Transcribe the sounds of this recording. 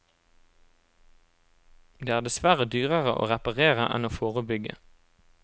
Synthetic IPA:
d̪eːæːʁd̪ɛsʋæʁəd̪yːʁəʁəʔo̰ːʁɛpɑʁeːʁəʔɛ̰noːfoːʁəbʏɡə̰

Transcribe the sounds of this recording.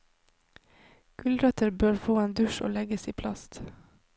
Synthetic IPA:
ɡ̥ʉld̪ɾœt̪ʰəɾbøːɹfoːeːnd̪ʉʃo̰ːlɛɡəsiːpʰlɑst̪

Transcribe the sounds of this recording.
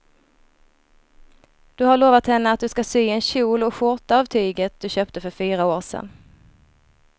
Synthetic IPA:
d̪̥ɵhaɭoːvat̪hɛnːəat̪̚d̪ɵskasyːɛnɕuːlɔkɧʊʈ̪aavt̪ʰyːɡət̪̚d̪̥ɵɕøːpt̪əfœɾfyːɾaoːɾsɛ̰nː

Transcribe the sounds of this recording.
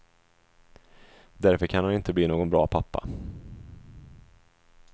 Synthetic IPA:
d̪æɾfœɾkʰanhanɪnt̪əbliːnoːɡɔnbɾɑːpʰapːa̰

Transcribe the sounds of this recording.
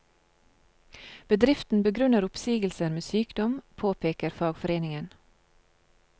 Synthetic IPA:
b̥əd̪ɾɪft̪n̩bəɡɾʉnəɾʊpsiːɡəlsəɾmeːsyːkd̪ɔmpʰoːpʰeːkəɾfɑːɡfɔɾeːnɪŋən

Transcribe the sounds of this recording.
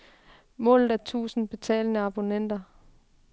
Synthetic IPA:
mɔ̰̽ːlð̩ˠæt͡sʰṵːsn̩b̥e̝t͡sʰɛ̰ːlnəɑ̈b̥o̝nen̰d̥ɐ

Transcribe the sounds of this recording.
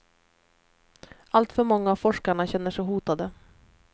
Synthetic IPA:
alt̪fœɾmɔŋːaːvfɔʂkaɳaɕɛnːəʂɛjɦuːt̪ad̪ə

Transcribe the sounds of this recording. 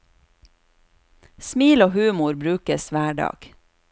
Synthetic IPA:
smiːloːhʉːmʊɾbɾʉːkəsʋæːɖɑ̰ːɡ̥

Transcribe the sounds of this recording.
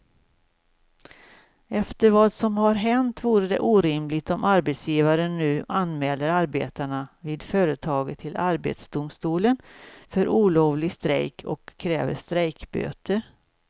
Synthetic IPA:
ɛft̪əɾvɑːd̪sɔmɦaɾɦɛnt̪vuːɾəd̪ɛ̰ʔuːɾɪmlɪt̪ɔmʔaɾbɛt̪sjiːvaɾənːʉ̟ːʔanmɛːlːəɾaɾbḛːt̪aɳaviːd̪fœːɾət̪ʰɑːɡət̪ʰːɪlʔaɾbḛt̪sd̪ʊmst̪uːlənfœɾʔuːloːvlɪst̪ɾɛ̰jkʰɔ̰kʰːɾɛ̰ːvə̰ʂt̪ɾɛjkbø̰ːt̪əɾ

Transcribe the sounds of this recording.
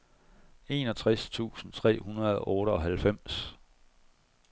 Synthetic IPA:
e̝ːnɒ̽t͡sʰʁast͡sʰṵːsn̩t͡sʰʁɛ̰ːhunɐðˠɒʔɔːɾəɒ̽ɦælfem̰s

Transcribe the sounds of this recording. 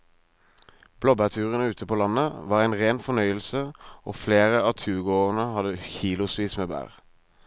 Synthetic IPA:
b̥lɔbæʁt̪ʰʉːʁənəʉːt̪ʰəpʰoːlɑnəʋɑːʁæɪnʁeːnfɔnœʏəlsəo̰ːfleːʁəɑːt̪ʰʉːɡoːʁənəhɑd̪əçiːlʊsʋiːsmeːbæ̰ːʁ

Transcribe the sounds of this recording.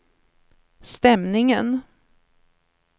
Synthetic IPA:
st̪ɛmnɪŋən

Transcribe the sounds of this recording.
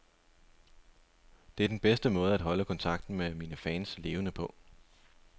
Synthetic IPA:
d̥e̝æɐd̥enb̥esd̥əmɔ̽ːð̞̩ˠæd̥ɦɒ̽ləkʰɒ̽nt͡sʰɑ̈ɡ̥̚d̥n̩meminəfɛːnsle̝ːʊənəpʰɒ̽

